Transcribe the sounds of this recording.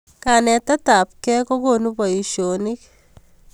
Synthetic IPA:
ka˨nɛ˨t̪a˦ta˨p̚kɛ˦ko˦ko˦˨nu˦pa˨i˨ʃo˨ni˦k

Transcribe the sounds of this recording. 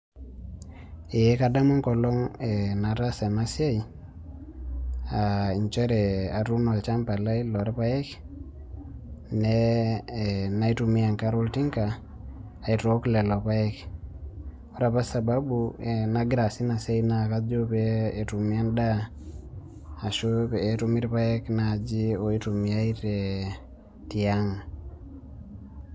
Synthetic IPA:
e˨je˦ka˦da˦mu˦ŋkɔ˨lɔ˦ŋe˨na˨ta˦sa˨ma˦sja˦i˨ | a˨i˨ɲt͡ʃɛ˦ɾɛ˨a˨tu˦nɔ˨lt͡ʃa˦mpa˨la˦i˦lɔ˨ɾe˦pa˦ɛ˦k | ne˦˨ | na˦i˦tu˨mi˦a˨ŋka˦ɾo˦lti˦ŋkaː˨ | i˨to˦klɛ˨lɔ˨pa˦ɛ˦k | o˦ɾa˦pa˦sa˨ba˦buena˦ɡɾa˨si˦na˨se˦ina˨ka˦d͡ʒo˦peː˦˨tu˨mi˦a˦nda˦ | a˨ʃo˦pːtu˦mi˦ɾpa˦ɛ˦kna˨d͡ʒi˦o˨i˦tu˨mi˨a˦i˦ɾe˨ | ti˨a˦ŋ

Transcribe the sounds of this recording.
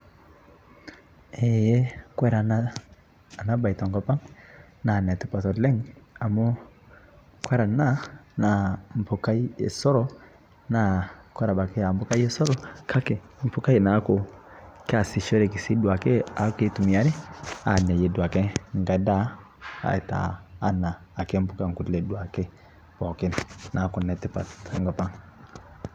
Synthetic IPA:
ɛ˨jɛ˦kwɛ˦ɾa˨naː˦˨ | na˦ba˨i˨ta˨ŋɡɔ˨pa˦ŋ | na˨n˨ɛ˨tu˨pa˨tɔ˨lɛ˦ŋa˨mɔ˦ | kwɛ˦ɾa˨na˦na˨m̩˨pu˨ka˦i˦ɛ̰˨sɔ˦ɾɔ˦ | na˨kwɛ˦ɾa˨ba˨kɛ˦a˨m˨bɔ˦ka˦i˦ɛ˦sɔ˦ɾɔ˦kʰa˦kɛ˨ | m̩˨pu˦ka˦i˨na˨˦ko˨kɛ˦a˨si˨ʃɔ˦ɾɛ˨ki˨si˦du˨a˨ke˦a˨˦ke˦tu˨mi˨a˦ɾɛ˦a̰˨ɲa˨jɛ˨du˨a˨kɛ˦ŋ˨ɡa˨da˦ | a̰˨ɛ˨ta̰ː˨˦naː˨kɛ˦m˦pu˦ka˦˨ŋ̩˨ku˨dlɛ˨du˨˦a˨kɛ˦ | ɔ˨kɛ˦nna˨˦kɔ˨nɛ˨tɛ˦pa̰˨ŋɡɔ˨pa˦ŋ

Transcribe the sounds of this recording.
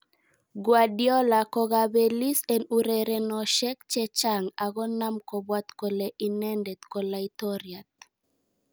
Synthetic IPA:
ɡwa˨djɔ˦la˨kɔɡabeli˦sɛ˨nuɾɛɾɛ˨nɔʃɛ˦k̚t͡ʃɛt͡ʃa˦ŋa˨ɡɔ˦na˦mkɔ˨bwa˦t̪ko˨leʔinɛ˦ndɛt̪kɔlait̪ɔɾjat̪̚

